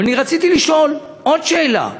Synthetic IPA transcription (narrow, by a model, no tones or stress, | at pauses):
aniʁat͡sit̪iliʃo̞n | o̞dʃe̞ːla̰